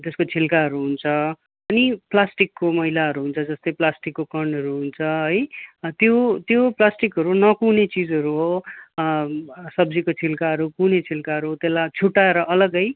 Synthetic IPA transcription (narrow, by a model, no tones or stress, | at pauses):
d͡zʌskot͡sʰilkaɦʌɾuɦunt͡sʰʌ | ʌniplasʈikːomʌɦilaɦʌɾuɦunt͡sʰʌd͡zʌst̪ʌjplasʈikːokʌrɳɖɦʌɾuɦunt͡sʰʌɦʌjt̪jot̪joplasʈikɦʌɾunʌkunet͡sid͡zʌɾuɦo | sʌbd͡zikot͡sʰilkaɦʌɾukunet͡sʰilkaɦʌɾuɦot̪elːat͡sʰuʈːaeɾʌʔʌlʌɡʌj